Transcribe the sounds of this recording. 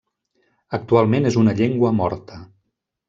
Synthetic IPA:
ək̚t̪ualˠmenezunəʎeŋɡwəmɔɾt̪ʰə

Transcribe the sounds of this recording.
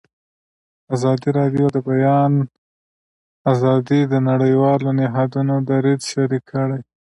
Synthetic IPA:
azɑd̪iɾɑɖijod̪əbajɑn | azɑd̪id̪ənaɽəjwɑlonɪɦɑd̪unod̪aɾid̪ʃaɾikʰːəɽaj

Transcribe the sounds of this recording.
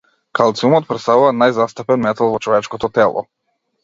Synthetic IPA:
kʰalˠt̪siumɔt̪̚pɾɛt̪st̪avuvanajzast̪apɛnmɛt̪alˠvɔt͡ʃɔvɛt͡ʃkɔt̪ɔt̪ɛlˠɔ̰

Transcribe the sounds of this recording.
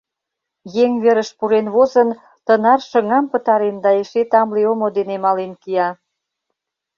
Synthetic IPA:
jeŋβeɾəʃpuɾenβozən | t̪ənɑrʃəŋɑmpət̪ɑɾend̪ɑeʃet̪ɑmleomod̪enemɑlenkiɑ

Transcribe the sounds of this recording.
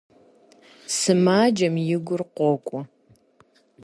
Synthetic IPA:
sɨmaːd͡ʒɐmjɪɡʷʊrqʷɔkʷʼɔ

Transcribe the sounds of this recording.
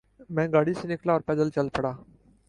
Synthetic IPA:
mɛ̃ːɡaːɽiːsenɪklaɔːɾpɛːd̪əlt͡ʃəlpəɽaː

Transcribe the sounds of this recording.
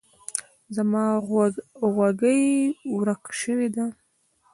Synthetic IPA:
zamɑ | ɣwaɡəjwɾakʃəwed̪a

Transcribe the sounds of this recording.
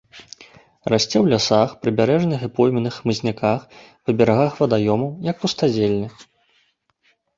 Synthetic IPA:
rasʲt͡sʲɛwlʲasaxpɾɨbʲaɾɛʐnʲɨxɨpɔjmʲinɨxmɨzʲnʲakax | pɐbʲɛɾaɣaxvɐd̪ajɔmɐwjɐk̚pust̪ad͡zʲelʲnʲɐ

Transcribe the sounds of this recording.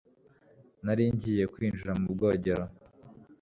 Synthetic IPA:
naɾiɲɟije̞kwiːnʒuɾamub̚ɡo̞ːɟe̞ɾo

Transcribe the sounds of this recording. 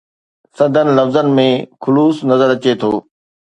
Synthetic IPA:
sɐ̃nd̪ʱənɪ̆lɐfzənɪ̆mẽxʊluːsnɐzəɾɐt͡ɕet̪ʰoː

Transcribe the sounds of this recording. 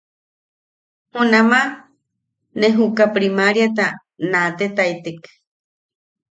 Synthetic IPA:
hunama | neɦukapɾimaɾjat̪̬a | nat̪et̪ait̪ik

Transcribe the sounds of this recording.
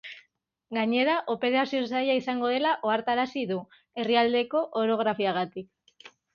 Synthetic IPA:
ɡaɲe̞ɾaʔo̞pe̞ɾasio̞sajaisaŋɡo̞ð̞e̞laʔo̞aɾt̪aɾasiðu | e̞riald̪e̞ko̞ʔoɾo̞ɣ̞ɾafiaɣat̪ik

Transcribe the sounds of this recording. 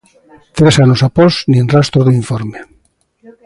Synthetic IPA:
t̪ɾesanosapoznĩnrast̪ɾoðoiɱfoɾme

